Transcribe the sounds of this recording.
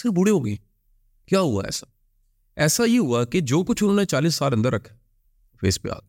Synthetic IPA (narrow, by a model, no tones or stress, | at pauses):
seːbʊɽeːɦoːɡeː | kjaːɦʊa̰ːɛ̰ːsḁː | ɛːsaiːɦʊaːkɪd͡ʒoːkʊt͡ʃʰʊnːnẽːt͡ʃaːliːsːaːlə̃nd̪əɾəkʰː | fḛːspja̰ːl